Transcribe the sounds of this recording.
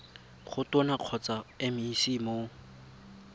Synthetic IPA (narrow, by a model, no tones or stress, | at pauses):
χʊtɔnaq͡χʰɔt͡saemɪisimo